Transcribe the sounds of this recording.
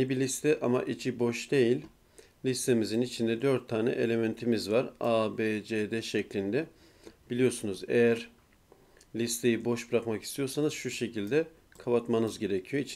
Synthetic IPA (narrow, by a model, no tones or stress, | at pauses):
ibilʲist̪ʰɛʔama̰ʔit͡ʃʰibo̞ʃd̪e̞jilʲ | lʲist̪ʰe̞mizinit͡ʃʰind̪ɛd̪øɾt̪ʰːaːnɛ̰ʔe̞lʲe̞ment̪ʰimizvaɾabed͡ʒed̪ɛʃɛclʲind̪ɛ | b̥ilʲijo̞sunuzḛjæɾ | lʲist̪ʰe̞jibo̞ʃbɾakmaki̥st̪ʰijo̞ɾsanɯzʃuʃe̞cʰilʲd̪ɛ | kʰaβat̪manɯzɟe̞ɾecʰijo̞it͡ʃʰ